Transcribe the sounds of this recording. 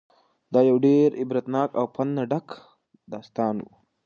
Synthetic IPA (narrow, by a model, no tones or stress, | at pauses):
d̪ɑːjawɖeɾɪbɾat̪nɑːkawpʰand̪naɖak | d̪ɑːst̪ɑːnwṵ